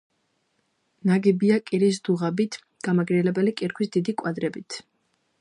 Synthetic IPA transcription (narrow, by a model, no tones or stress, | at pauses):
naɡibiakʼiɾis̬d̪uʁabit̪ʰ | ɡ̥amaɡɾiɛlɛbɛlikʼiɾkʰwisd̪id̪ikʼwad̪ɾɛbit̪ʰ